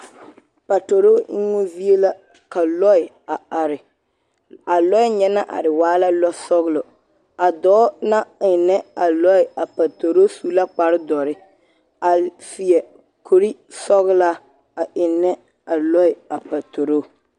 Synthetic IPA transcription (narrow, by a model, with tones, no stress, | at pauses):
pa˨to˨ɾo˦ɪ˦ŋo˦vi˦e˦la˦ | ka˨lɔ˦ɪ˨ | a˨a˨ɾɪ˨ | a˨lɔ˦ɪ˦ɲɛ˦na˦ʔa̰˨ɾɪ˨waː˦la˦lɔ˦sɔ˦ɣlo˨ | a˨dɔː˦na˦ɪ˨nɛ˦a˨lɔ˦ɪ˨a˨pa˨to˨ɾo˦su˦la˦k͡pa˨ɾɪ˦dɔ˨ɾɪ˦ | a˨ | fi˨ɛ˨ | kʰo˨ɾi˦sɔ˦ɣla˦ | a˨ʔɪ˨nɛ˦ | a˨lɔ˦ɪ˨a˨pa˨to˨ɾoː˦˨